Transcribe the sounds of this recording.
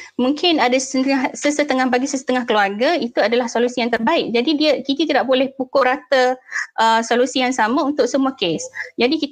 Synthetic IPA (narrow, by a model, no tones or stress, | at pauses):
mũŋkɪnadasahsəsət̪əŋahbaɡisəsə̥t̪əŋahkəluarɡait̪uadalahsolusijaŋt̪ərbaɪʔ̚d͡ʒadidiəkinit̪idaʔbolɛhpukʊrɾat̪əʔəsolusijaŋsamãunt̪ʊk̚səmuakesd͡ʒadiki